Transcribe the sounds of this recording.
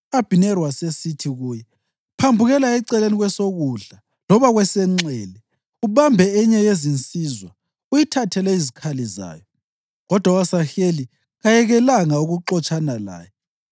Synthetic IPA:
ab̥ʱinɛrwasesitʰiɣuːjɛ | pʰambʱuɣɛlaɛǀɛleniɣwɛsoɣuɮa | lɔβaɣwɛsɛŋ͡ǀɛlɛ | uβambʱɛɛɲɛjezint͡sʼizwa | ujitʰatʰɛlɛizikʰaliza̰ːjɔ | ɣɔd̥ʱwawasaxeli | ɣajɛɣɛlaŋauɣuǃɔt͡ʃʼanala̰ːjɔ

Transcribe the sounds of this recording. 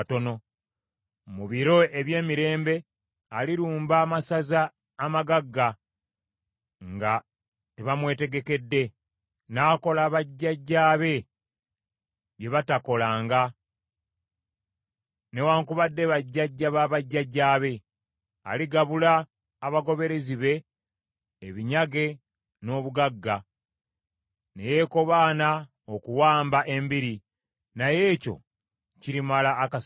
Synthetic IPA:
to̞no̞ | muβiɾo̞e̞βje̞ːmiɾe̞ːmbe̞ | aliɾuːmbaːmasazaː | maɡaɡːa | ŋɡa | teβamwe̞ːte̞ɡe̞ke̞dːe̞ | naːko̞laːβaɟːaɟːaːβe̞ | βje̞βatako̞laːŋɡa | ne̞waːŋkuβadːe̞βaɟːaɟːaβaβaɟːaɟːaːβe̞ | a̰liɡaβulaː | βaɡo̞βe̞ɾe̞ziβe̞ː | βiɲaɡe̞ | no̞ːβuɡaɡːa | neje̞ːko̞βaːna | okuwaːmbaʔe̞mbiɾi | naje̞ːco̞̰ | ciɾimalaʔːkas

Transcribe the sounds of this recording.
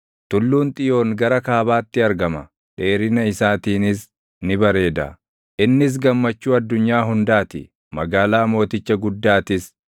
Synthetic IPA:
t̪ʊlːuːnt̪ʼɪjo̞ːŋɡɐɾɐkaːbaːt̪ːɪɐɾɡɐmɐ | ᶑe̞ːɾɪnɐɪsaːt̪iːnɪs | nɪbɐɾe̞ːd̪ɐ̰ | ʔɪnːɪs̬ɡɐmːɐt͡ʃːuːɐd̪ːʊɲːaːɦʊnd̪aːt̪ɪ̰ | mɐɡaːlaːmo̞ːt̪ɪt͡ʃːɐɡʊd̪ːaːt̪ɪs

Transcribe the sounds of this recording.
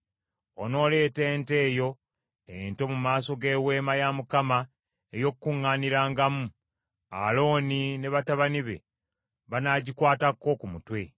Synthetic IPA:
o̰no̞ːle̞ːte̞ːnte̞ːjo̞ | ento̞mumaːso̞ɡe̞we̞ːmajamukama | ejo̞kukuŋːaːniɾaːŋɡamu | a̰lo̞ːnine̞βataβaniβe̞̰ | βanaɟikwaːtakːo̞kumutwe̞

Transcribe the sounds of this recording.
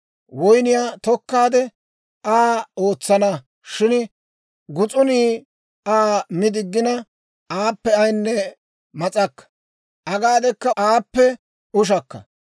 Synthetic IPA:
wɔjnɪjaːt̪ɔkːaːd̪ɛ | ʔaːo̞ːt͡sːɐnɐ | ʃɪn | ɡʊt͡sʼʊniː | aːmɪd̪ɪɡːɪnɐ | aːpːɛɐjnːɛ | mɐt͡sʼɐkːɐ̥ | ʔɐɡaːd̪ɛkːɐaːpːɛ | ʊʃ̬ɐkːɐ̰

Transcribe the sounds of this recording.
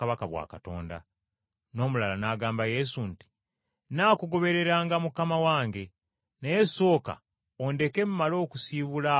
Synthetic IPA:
aβakaβwa̰ːkato̞̰ːnda̰ | no̞ːmulalanaːɡaːmbaje̞sunti̥ | naːkuɡo̞βe̞ɾe̞ɾaːŋɡamukamawaːŋɡe̞ | nejeso̞ːka̰ | ondeke̞mumalo̞ːkusiːβula

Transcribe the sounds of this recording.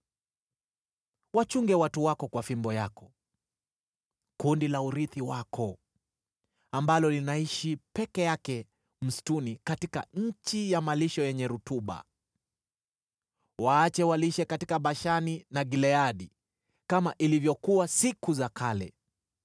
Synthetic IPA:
wat͡ʃuŋɡɛwatuwakɔkwafimbɔjakɔ | kundilauɾiθiwakʰɔ | ambalɔlinaiʃipɛkɛjakɛ | m̩stunikatika̰ɲ̩t͡ʃijamaliʃɔjɛɲɛɾutuɓa̰ | waːt͡ʃɛwaliʃɛkatikaɓaʃaninaɡilɛaɗi | kamaʔilivjɔkuwasikuzakʰalɛ̰

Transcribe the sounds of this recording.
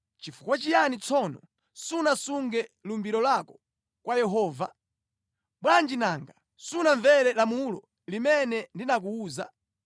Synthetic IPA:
t͡ʃifu̥kwat͡ʃijanit͡sʰɔnɔ | sunasuŋɡɛlumbiɾɔlakɔ̥ | kwajɛɦɔːva̰ | ɓwand͡ʒinaŋɡa | sunaɱvɛɾɛlamulɔ̰ | limɛnɛndinak̬uuːza̰

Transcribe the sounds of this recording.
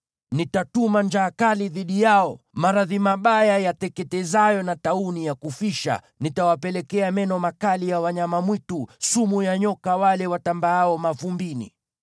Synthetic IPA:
nitatumand͡ʒaːkaliðiɗijaɔ | maɾaðimaɓajajatɛkɛtɛzajɔnataunijakufiʃa̰ | nitawapɛlɛkɛamɛnɔmakalijawaɲamamwitusumujaɲɔkawalɛwatambaaɔmavumbinḭ

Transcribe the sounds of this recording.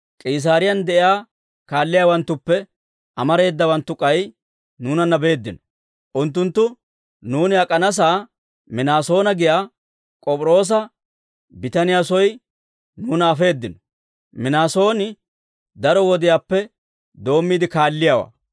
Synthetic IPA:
kʼiːs̬aːɾɪjɐnd̪ɛʔɪjaː | kaːlːɪjaːwɐnt̪ːʊpːɛ | ʔɐmɐɾe̞ːd̪ːɐwɐnt̪ːʊkʼɐj | nuːnɐnːɐbe̞ːd̪ːɪnɔ̥ | ʔʊnt̪̬ːʊnt̪ːʊ | nuːnɪɐkʼɐnɐs̬aː | mɪnaːso̞ːnɐɡɪjaː | kʼɔpʼɾo̞ːs̬ɐ | bɪt̪ɐnɪjasɔj | nuːnɐːfe̞ːd̪ːɪnɔ̥ | mɪnaːso̞ːnɪ | d̪ɐɾɔwɔd̪ɪjaːpːɛ | d̪o̞ːmːiːd̪ɪkaːlːɪjaːwa̰ː

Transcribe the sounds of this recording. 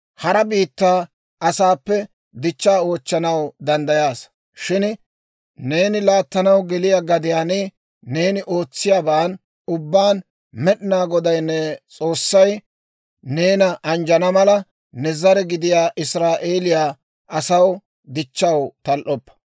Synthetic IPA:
hɐɾɐbiːt̪ːaː | ʔɐsaːpːɛ | d̪ɪt͡ʃːaːo̞ːt͡ʃːɐnɐwd̪ɐnd̪ɐjaːs | ʃɪn | ne̞ːnɪlaːt̪ːɐnɐwɡɛlɪjaːɡɐd̪ɪjaːnɪ | ne̞ːnɪʔo̞ːt͡sːɪjaːbaːn | ʊbːaːn | mɛɗɪnaːɡɔd̪ɐjnːɛt͡sʼo̞ːsːɐj | ne̞ːnɐʔɐnd͡ʒɐnɐmɐlɐ | nɛzɐɾɛɡɪd̪ɪjaːʔɪsɾaːʔe̞ːlɪjaː | ʔɐsɐw | d̪ɪt͡ʃːɐwt̪ɐlʔɔpːɐ̥

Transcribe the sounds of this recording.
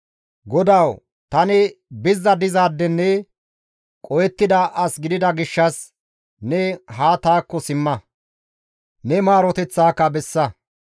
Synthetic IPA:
ɡɔd̪ɐw | t̪ɐnɪbɪzːɐd̪ɪzaːd̪ːɛnːɛ | kʼɔjɛt̪ːɪd̪ɐʔɐsɡɪd̪ɪd̪ɐɡɪʃːɐs | nɛɦaːt̪aːkːɔsɪmːɐ | nɛmaːɾɔt̪ɛt͡sːaːkːɐbɛsːɐ

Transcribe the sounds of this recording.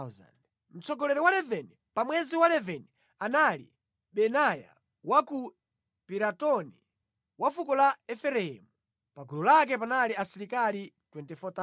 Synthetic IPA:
za̰n | m̩t͡sɔɡɔlɛɾɛwalɛvɛni | pamwɛziwalɛvɛni | analḭ | ɓɛnaja̰ | waku | piɾatɔni | wafukɔlaɛfɛlɛhɛ̰mu | paɡulɔlak̬ɛp̬analiasiɾikalitwɛntɛfɔt̪a

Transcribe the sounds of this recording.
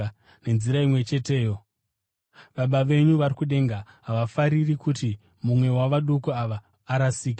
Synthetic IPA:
ne̞nziɾaimwe̞t͡ʃe̞te̞ːjo̞ | ʋaɓaʋe̞ɲuʋarikuɗe̞ŋɡaɦaʋafaɾirikuti | mumwe̞waʋaɗukuaʋaː | ɾasiːk̬i

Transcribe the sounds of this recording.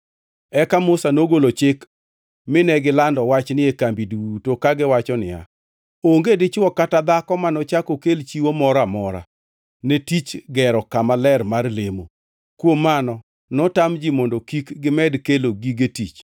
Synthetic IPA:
ɛkamʊsanoɡolot͡ʃɪk | mɪnɛɡɪlandɔwat͡ʃnɪekambiduwutokaɡɪwat͡ʃɔnɪ̰ja̰ | oŋɡedɪt͡ʃwɔkatad̪akɔmanɔt͡ʃakokelt͡ʃiwomɔɾamɔɾa̰ | netit͡ʃɡɛɾɔkamalɛrmarlemo | kwomːanɔ | nɔtamd͡ʒimondokikɡɪmɛdkeloɡiɡetit͡ʃ

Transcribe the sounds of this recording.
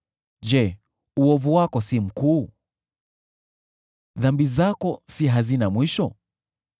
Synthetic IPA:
d͡ʒɛ | uɔvuwakɔsim̩kuː | ðambizakɔsiɦazinamwiʃɔ

